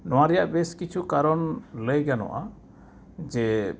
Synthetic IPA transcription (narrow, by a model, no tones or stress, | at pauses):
nɔwaɾɛjaʔbɛskit͡ʃʰukaɾɔnləjɡanɔ̰ʔa | d͡ʒɛ